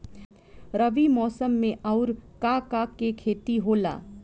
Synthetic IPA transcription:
ɾəʋimɔːsəmːẽʔaʊɾkakakːekʰeːt̪iɦoːla̰ː

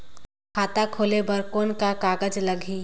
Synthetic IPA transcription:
kʰaːt̪akʰoːlebɐɾkoːnkakaːɡəd͡ʒləɡʱiː

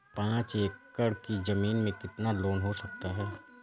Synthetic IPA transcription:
pãːt͡ʃeːkːəɽkizɐmiːnmẽkɪt̪naloːnɦosɐk̚t̪aɦɛː

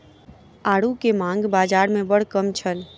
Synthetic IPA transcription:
aːɽukemãːŋ̆ɡbaːd͡ʒaːɾmẽbəɽ̤kəmt͡ʃʰəl

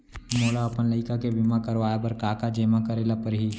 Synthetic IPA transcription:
moːɽaɐpənləɪkakebɪmãkəɾʋaːjapəɾkaːkad͡ʒeːmakəɾeːlapəɾɦiː

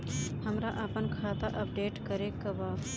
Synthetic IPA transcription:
həmɾaʔɐpənkʰaːt̪aʔɐp̚ɖeːʈkəɾekɐbaː

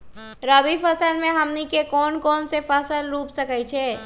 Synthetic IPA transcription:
ɾəbifəsəlmẽɦəmnikekɔːnkɔːnsefəsəlɾuːpsəkəjt͡ʃʰeː

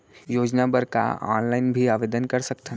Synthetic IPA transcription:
joːd͡ʒnabəɾka̰ɔ̰ːnlaɪnbʱiaːʋeːd̪ənkɐɾsɐkt̪ʰən

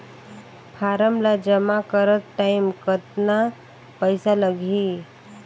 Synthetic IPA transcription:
pʰaɾəmlad͡ʒəmakəɾət̪ʈaɪmkət̪na | pəjsaləɡʱi

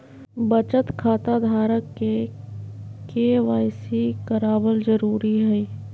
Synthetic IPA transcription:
bət͡ʃət̪kʰaːt̪ad̪ʱaːɾəkːe | keːʋaːɪsikəɾaːbəlzəɾuːɾiɦɛ

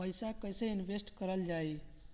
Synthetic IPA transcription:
əɪsakəjsẽinʋʱesʈkəɾəld͡ʒai

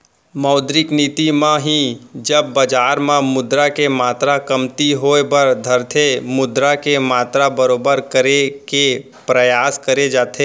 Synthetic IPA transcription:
mɐʊd̪ɾɪkniːt̪imãɦid͡ʒɐb̚ːɐd͡ʒaːɾmãmʊd̪ɾakemaːt̪ɾakɐmt̪iɦoːebɐɾd̪ʱəɾt̪ʰemʊd̪ɾakemaːt̪ɾabɐɾoːbəɾkəɾeke | pɾɐjaːskəɾed͡ʒaːt̪ʰeː

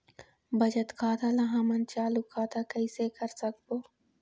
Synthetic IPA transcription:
bəd͡ʒət̪kʰaːt̪aːlaɦãmənt͡ʃaːlukʰːaːt̪aːkəisekəɾsək̚boː

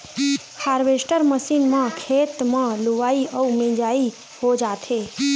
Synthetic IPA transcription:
haɾʋesʈəɾməsinmãkʰet̪mãluʋaiəumẽd͡ʒai | hod͡ʒat̪ʰe

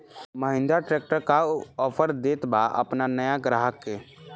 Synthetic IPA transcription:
məɦɪ̃nd̪aʈɾeːk̚ʈəɾkaɔːpʰəɾd̪eːt̪baʔə̰pnanəjaɡɾaːɦəkːe

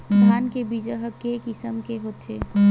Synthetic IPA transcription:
d̪ʱaːnkebiːd͡ʒəɦəkːekɪsəmkeɦoːt̪ʰḛː

